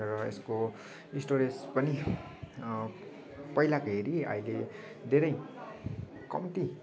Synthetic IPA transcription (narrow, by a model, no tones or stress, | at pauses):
rʌḛsko | isʈoɾespʌni | pʌjlakaɦeɾiʌ̰ile | d̪ʱeɾʌj | kʌ̰mt̪i